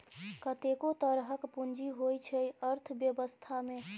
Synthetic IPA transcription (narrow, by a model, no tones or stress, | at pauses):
kət̪ekot̪əɾɦəkpund͡ʒiɦojt͡ʃʰəjəɾt̪ʰbjəbəst̪ʰame